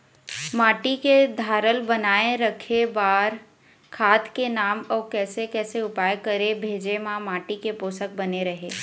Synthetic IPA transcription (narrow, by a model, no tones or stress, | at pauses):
maːʈiked̪ʱaːɾəlbənaːẽɾəkʰebaːɾ | kʰaːt̪kenaːmɔːkɛːsekɛːseʊpaːjkəɾebʱeːd͡ʒemãmaːʈikepoːsək̚bɐneɾɐɦeː